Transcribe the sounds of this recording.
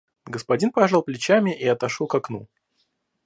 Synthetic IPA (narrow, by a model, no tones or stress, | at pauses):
ɡəspɐdʲinpɐʐalˠplʲɪt͡ɕamʲɪʔiɐt̪ɐʂɔlˠkɐknṵ